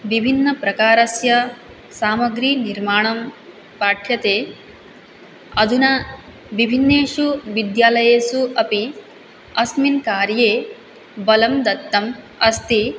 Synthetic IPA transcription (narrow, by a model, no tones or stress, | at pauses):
ʋibʱinːɐpɾɐkaːɾɐsjɐ | saːmɐɡɾiːniɾmaːɳɐm | paːʈʰjɐt̪eː | ɐd̪unɐ | ʋibʱinːeːʂuʋid̪jaːlɐjeːsuʔɐpi | ɐsminkaːɾjeː | bɐlɐmd̪ɐt̪ːɐm | ɐst̪i